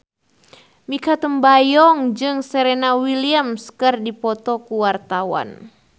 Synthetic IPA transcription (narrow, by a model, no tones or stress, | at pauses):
mikat̪əmbajɔŋd͡ʒɨŋsɛɾɛnawiliamskɨrdipɔt̪ɔkuwart̪awa̰n